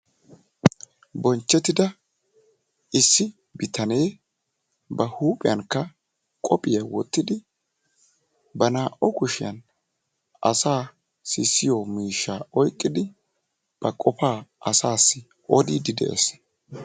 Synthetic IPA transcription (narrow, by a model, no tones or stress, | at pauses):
bɔnt͡ʃːɛt̪ːɪd̪ɐ | ʔɪsːɪ | bɪt̪ɐne̞ː | bɐhuːpʼɪjɐŋkːɐ | kʼɔpʼɪjɐwɔt̪ːɪd̪ɪ | bɐnaːʔɔkʊʃɪjɐn | ʔɐ̰saː | sɪsːɪjɔmiːʃːaɔjkʼːɪd̪ɪ | b̥ɐkʼɔpaːɐsaːsːɪ | ʔɔd̪id̪ɪd̪ɛ̰ʔɛ̰s